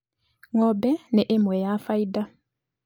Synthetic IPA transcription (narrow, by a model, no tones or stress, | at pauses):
ŋɔbɛnɛʔemwɛjafaida